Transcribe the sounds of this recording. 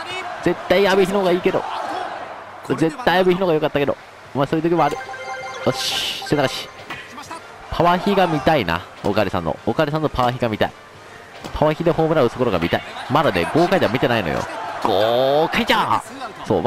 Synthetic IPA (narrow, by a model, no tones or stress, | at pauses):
z̥e̞t̪ːaijabɯçinooɡaiːke̞d̪o̞̰ | ze̞t̪ːaijabɯçinoɡajo̞kat̪ːake̞d̪o̰ | masoːjɯt̪o̞k̬ʲiβaːɾɯ̟oɕsenakaɕi̥ | pʰaβaçiɡamʲit̪aina̰ | o̰kaɾisã̰nːo̰okaɾʲesãnːopaβaçiɡamʲit̪a̰i | pʰaβaçʲid̪eho̞ːmɯɾaɯ̟t̪sokoɾoɡamʲit̪a̰imad̪anḛɡo̞ːkaid̪eamʲit̪e̞naino̞̰jo̰ɡ̥okait͡ɕaso̰ːm